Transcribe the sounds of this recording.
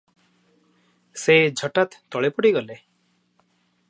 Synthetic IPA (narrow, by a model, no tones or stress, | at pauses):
sed͡ʒʱɔʈat̪ːɔɭepɔɽiɡɔle